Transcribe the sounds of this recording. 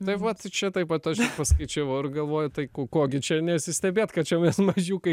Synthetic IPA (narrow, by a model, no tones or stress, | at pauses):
t̪ɐɪʋɐt̪t͡ʃʲɛt̪ɐɪpʋɐt̪ɐʃʲpɐskɐɪt͡ʃʲɛʋɐʊɪrɡɐlˠʋoːjʊt̪ɐɪkokoːɡʲɪt͡ʃʲɛnʲɛsʲɪsʲt̪ʲɛbʲeːt̪kɐt̪̚t͡ʃʲɛmʲɛsmɐʒʲuːkɐɪ